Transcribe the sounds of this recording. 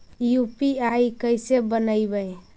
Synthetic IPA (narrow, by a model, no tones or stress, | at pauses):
jupiajkəjsebənəjbəj